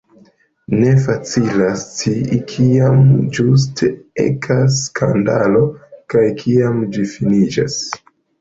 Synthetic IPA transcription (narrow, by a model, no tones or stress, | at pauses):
ne̞f̬at͡silast͡ʃikʰiamd͡ʒus̬tʰeḛkʰaskʰandalo̞kajkʰiamd͡ʒifinid͡ʒa̰s